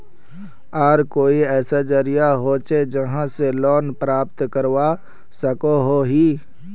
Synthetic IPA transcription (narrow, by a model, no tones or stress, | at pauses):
aːɾkoːiɛːsad͡ʒəɾijaɦot͡ʃed͡ʒəɦãselɔːnpɾaːpt̪kəɾwa | səkoɦoɦiː